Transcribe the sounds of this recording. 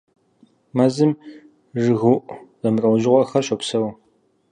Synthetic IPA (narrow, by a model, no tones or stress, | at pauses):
mɐzɨm | ʐɨɣuʔz̥ɐmɨrɐwʒɪʁʷɔxɐrʃopsɐw